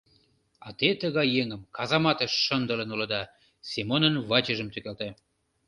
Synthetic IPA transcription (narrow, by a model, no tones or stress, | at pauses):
ɑt̪et̪əɣɑjːeŋəmkɑzɑmɑt̪əʃːənd̪əlenulɤd̪ɑ | semonənvɑt͡ɕəʒəmt̪ykælt̪e